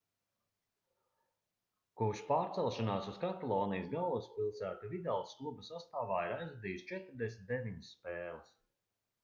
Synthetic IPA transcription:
kuʃpaːɾt̪sɛlˠʃanaːsuskat̪alˠɔːnijsɡalˠvuspilˠsæːt̪uvid̪alˠsklˠubəsast̪aːvaːiɾajzvad̪iːjst͡ʃɛt̪ɾd̪ɛsʲmʲit̪̚d̪eviɲsːpeːlˠɨs

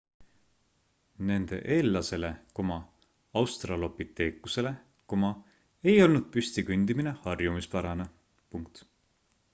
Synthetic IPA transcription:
ne̞nd̪̥e̞̰ʔe̞ːlːɑse̞le̞komɑ | ɑwst̪rɑlo̞pit̪ːe̞ːkuse̞le̞ | komɑ | ejo̞lnud̪̥̚pysʲt̪ikynd̪̥imine̞hɑrjumispæɾɑne | puŋk̚t̪

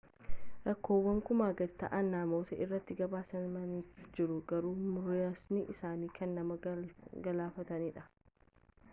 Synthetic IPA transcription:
ɾɐkːo̞ːwːɐmkʊmaːɡɐd̪t̪ɐ̰ʔɐnːaːmo̞ːt̪ɐʔɪrːɐt̪ːɪɡɐbaːsɐnmɐniːfd͡ʒɪɾʊɡɐɾuːmʊɾjaːsniʔɪsaːniːkɐnːɐmɐɡɐlaːfɐt̪ɐniːᶑɐ̥

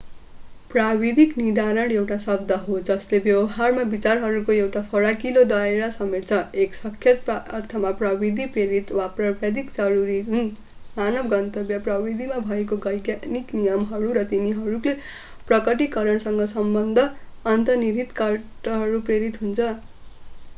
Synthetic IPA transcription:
prabid̪ʱiknid̪aɾʌɽewʈasʌb̚d̪ʌɦod͡zʌslebjʌwʌɦarmabit͡sarɦʌɾukoewʈapʰʌɽakilod̪ʌeɾasʌmiʈt͡sʰʌeksʌkʰjʌt̪ʌrt̪ʰʌmaprʌbid̪ʱipreɾit̪waprʌbʱjad̪ʱikd͡zʌɾuɾiun | manʌbɡʌnt̪ʌbjʌprʌbid̪ʱimabʱʌek̬oɡʌjɡaniknijʌmɦʌɾuɾʌt̪iniɦʌɾule | prʌkʌʈ̬ikʌɾʌɳsʌŋɡʌsʌmbʌnd̪ʱʌːnt̪ʌniɾit̪kʌʈʌɦʌɾupreɾit̪ɦunt͡sʰʌ

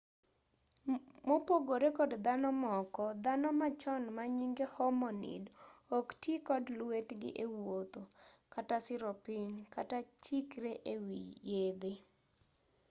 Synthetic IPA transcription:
mopoɡoɾekɔdd̪anɔmɔkɔd̪anɔmat͡ʃɔnmaɲiŋɡehɔmɔnḭdoktikɔdlwetɡɪ̰ʔewot̪o | katasɪɾɔpɪɲkatat͡ʃikɾeʔewḭjed̪ɪ

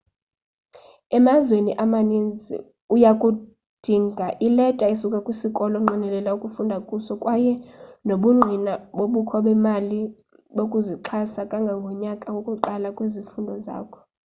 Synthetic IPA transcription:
ɛmazweniʔamanind͡zʱḭ | ujakʼu | d̥ʱiːŋɡʱaʔilɛtʼaisukʼakʼwisikʼɔlɔŋ͡ǃʱinɛlɛlaukʼufundʱakʼusɔkʼwajɛnoɓuŋ͡ǃʱinaɓoɓukʰɔɓɛmali | ɓokʼuziǃʰasakʼaŋɡʱaŋɡʱɔɲakʼaukʼuǃalakʼwezifundʱɔza̰ːkʰɔ̥

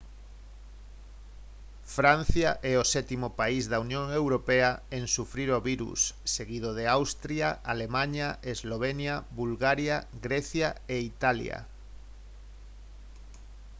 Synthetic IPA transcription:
fɾan̟θjaʔɛosɛt̪imopaizðaunjõŋewɾopeaeŋsufɾiɾoβiɾṵsːeɣið̞oð̞eawst̪ɾjaalemãɲaezloβenjaβulɣaɾjaɣɾɛθjaeit̪alja̰

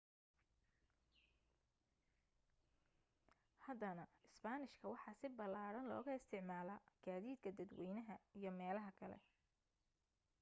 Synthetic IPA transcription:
hɐd̪ɐnɐɪsbaːnɪʃkʰɐwɑħɑːsɪbɐlaːɽɐnlɔ̰ːɣɐɪst̪ʰɪʕmaːlaːɡ̥aːðiːd̪kʰɐd̪ɐd̪wɛjnɐɦɐijɞmɛːlɐɦɐkʰɐlɛ̰

